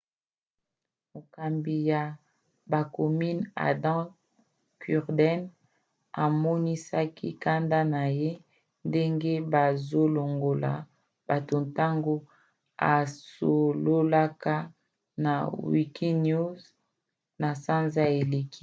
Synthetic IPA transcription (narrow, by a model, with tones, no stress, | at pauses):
mo˨ka˨mbi˨ja˨ | ba˨ko˨mi˦na̰˨dɑ̃˦ | ky˨ʁdɛ˦n | a˨mɔ˦ni˦sa˦kʰḭ˦ka˦nda˦na˨je˦ | nde˦ŋɡe˦ba˨zo˦lo˨ŋɡo˨la̰˨ | b̥a˨to˨nta˦ŋɡo˦ | a̰˨so˨lo˦la˦ka˦ | na˨wḭ˨ki˦nu˦z | na˨sa˦nza˦e˨le˨ki˦